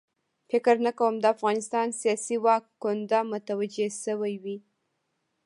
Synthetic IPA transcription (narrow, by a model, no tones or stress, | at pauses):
fɪkɾnakawəmd̪əafɣɑnɪst̪ɑnsijɑsiwɑkːʊnd̪amʊt̪awad͡ʒeʃəwajwi